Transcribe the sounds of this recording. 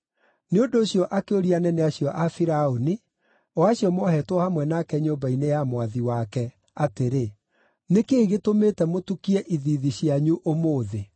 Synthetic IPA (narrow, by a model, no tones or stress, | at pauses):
neondoːɕjɔʔakeoɾianɛnɛaɕijɔʔafiɾaoni | ɔaɕjɔmɔɦɛtwɔhamwɛnakɛɲoːmbainejamwaðiwakɛ | ateɾe | nekeːɣetomeːtɛmotukiɛʔiðiðiɕjaɲuʔomoːðe